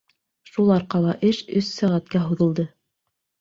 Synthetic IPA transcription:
ʃulˠɑɾqɑlˠɑʔɘʃɵsːæʁæt̪kæɦuðɤ̆lˠd̪ɤ

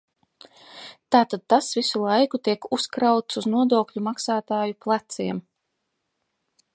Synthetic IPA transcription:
t̪aːt̪ad̪̚t̪asvisulˠajkut̪iɛkuskɾawt̪suznuɔd̪oːkʎʲumaksaːt̪aːjuplˠat̪siɛm

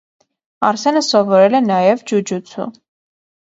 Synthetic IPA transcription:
ɑɾsɛnəsɔvɔɾɛlɛnɑjɛvd͡ʒud͡ʒut͡sʰṵ

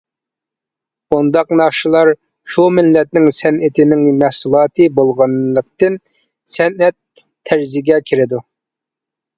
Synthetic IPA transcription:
und̪ɑqnɑχʃɨlˠɑɾ | ʃumɪlːɛt̪̚nɪŋsɛnɪt̪ʰɪnɪŋmæhsulˠɑːt̪ʰɨbolˠʁɑnlˠəq̚t̪ɨn | sɛnɛt̪ʰː | æɾzɪɡʲɛkʲʰiɾɪd̪u

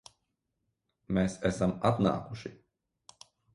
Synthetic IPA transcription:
meːsɛsamat̪na̰ːkuʃi

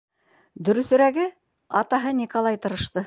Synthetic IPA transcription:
d̪ɵ̆ɾɵ̆θɵ̆ɾæɡɘ | ɑt̪ɑɦɤnʲikolˠɑjt̪ɤ̆ɾɤ̆ʃt̪ɤ

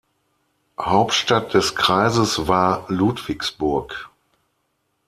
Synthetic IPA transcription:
haʊptʃtat̚d̥ɛskʁ̥aɪzəsvaːɐluːtv̥ɪksb̥ʊɐk

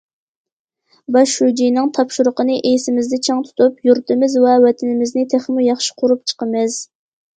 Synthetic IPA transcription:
bɑʃhud͡ʒijnɨŋt̪ʰɑpʃuɾʊqənɨʔejsɪmɪzd̪ɛt͡ʃʰɑŋt̪ʰu̥t̪ʰupjuɾt̪ɨmɪzwɛwɛt̪ʰɪnɪmɪznɪt̪ʰeχmujɑχʃi̥qʰʊɾup̚t͡ʃʰə̥qəmɨz̥

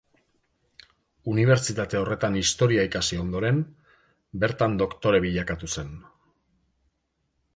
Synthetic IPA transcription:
uniβ̞e̞ɾt͡ʃit̪at̪e̞o̞re̞t̪anist̪o̞ɾiaikasio̞nd̪o̞ɾe̞m | be̞ɾt̪and̪o̞kt̪o̞ɾe̞βiʎakat̪use̞n

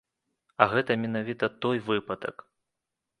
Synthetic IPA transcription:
ɐɣɛt̪ɐmʲɛnavʲit̪ɐt̪ɔjvɨpɐd̪ɐ̰k

